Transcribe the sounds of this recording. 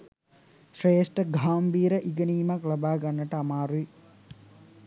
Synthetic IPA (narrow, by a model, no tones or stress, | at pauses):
ʃreːsʈɐɡʱaːmbiːɾɐʔiɡɐniːmaklɐbaːɡɐnːɐʈəɐmaːɾui